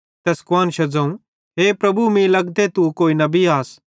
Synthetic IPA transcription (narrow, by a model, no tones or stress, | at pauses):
t̪ɛːskʊwaːnʃɐd͡zɐ̃ũ | ɦeːpɾɐbʱumĩlɐɡd̪et̪ukoːinɐbiaːs